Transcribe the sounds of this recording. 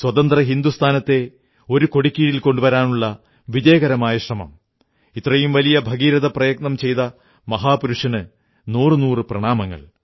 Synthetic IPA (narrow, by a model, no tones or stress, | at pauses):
swɐt̪ɐnd̪rɐɦind̪ust̪ʰaːnɐt̪ːe̞ | o̞ɾuko̞ɽikʲːiɻilko̞ɳɖuʋɐɾaːnuɭːɐ | ʋideːɣɐɾɐmaːjɐʂrɐmɐ̰m | it̪rɐjumʋɐlijɐbʱɐɡiːɾɐðɐprɐjɐɡ̚nɐmt͡ɕe̞jt̪ɐ | mɐɦaːpuɾuʂɐnɨ | nuːrɨnuːrɨprɐɳaːmɐŋːɐ̰ɭ